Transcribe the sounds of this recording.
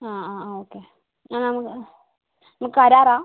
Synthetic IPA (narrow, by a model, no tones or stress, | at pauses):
aaoke | anam | məkadaɾa